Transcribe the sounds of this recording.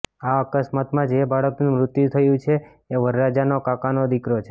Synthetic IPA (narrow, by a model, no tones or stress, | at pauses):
aəkəsmat̪mãd͡ʒebaɭəknũmɾʊt̪jut̪ʰəjũt͡ʃʰeː | ʋəɾɾad͡ʒanokakanod̪ikɾot͡ʃʰe